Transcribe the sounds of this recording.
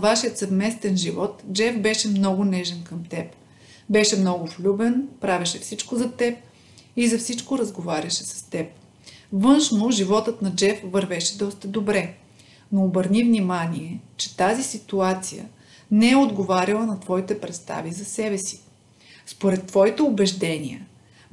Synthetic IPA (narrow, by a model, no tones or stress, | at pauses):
vaʃijət̪sɐvmɛst̪ɛnʒivɔt̪d͡ʒɛfbɛʃɛmnɔɡʊnɛʒɛnkəmt̪ɛp | bɛʃɛmnɔɡʊflʲubɛnpɾavʲɐʃɛfsit͡ʃkozɐt̪ɛp̚ | izɐfsit͡ʃkoɾɐzɡovaɾʲɐʃɛ̥sɐ̥st̪ɛp̚ | vɤnʃnoʒivɔt̪ət̪nɐd͡ʒɛfvɐɾvɛʃɛd̪ɔst̪əd̪obɾɛ | noːbəɾnivnimaniɛt͡ʃɛ̥t̪azisit̪uat̪sijə̰ | nɛɛod̪ɡovaɾʲɐlˠənɐt̪vɔit̪ɛpɾɛt̪st̪a̰vizɐsɛbɛsi̥ | spoɾɛt̪ːvɔit̪ɛobɛʒd̪ɛnʲḭə̰